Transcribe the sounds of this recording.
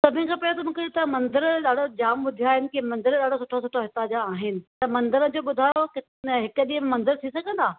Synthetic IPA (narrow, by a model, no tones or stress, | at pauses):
sɐbʱɪ̃nkʰãːpɐjot̪̬ɐmũːkʰet̪ɐmɐ̃nd̪əɾɗaːɽod͡ʑaːmɓʊd̪ʱijaːɦɪnɪ̆kemɐ̃nd̪əɾɗaːɽosʊʈʰosʊʈʰoɦɪt̪ad͡ʑaːɦɪnɪ̆t̪ɐmɐ̃nd̪əɾəd͡ʑoːɓʊd̪ʱaːjokɪ | ɦɪkəɗiə̃memɐ̃nd̪əɾt̪ʰisɐɡʱə̃nd̪aː